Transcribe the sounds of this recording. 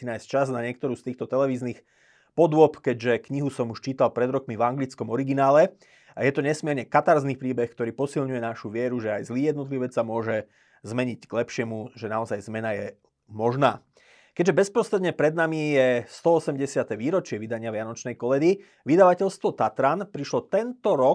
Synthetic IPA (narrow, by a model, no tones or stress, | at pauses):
inajst͡ʃaznaɲɪɛk̚t̪ɔɾuːst̪iːxt̪ɔt̪ɛlɛʋiːzniːx | pɔd̪ʊɔpkɛɟʒɛkɲiɦusɔmuʃt͡ʃiːt̪alpɾɛd̪ɾɔkmivaŋɡlit͡skɔmɔɾiɡinaːlɛ | ajɛt̪ɔɲɛsmɪɛɾɲɛkat̪aɾzniːpɾiːbɛxkt̪ɔɾiːpɔsilɲujɛnaʃuʋɪɛɾuʒɛajzliːjɛd̪nɔt̪liʋuːʋɛt͡ssamʊɔʒɛ | zmɛɲiɟɡlɛpʃɪɛmuʒɛnaɔzajzmɛnajɛ | mɔʒnaː | kɛɟʒɛbɛspɾɔsɾɛd̪ɲɛpɾɛd̪namijɛst̪ɔɔsɛmɟɛsɪat̪ɛʋiːɾɔt͡ʃɪɛʋid̪aɲɪaʋɪanɔt͡ʃnɛjkɔlɛd̪i | ʋid̪aʋacɛʎst̪ʋɔt̪at̪ɾanpɾiʃlɔt̪ɛnt̪ɔɾɔ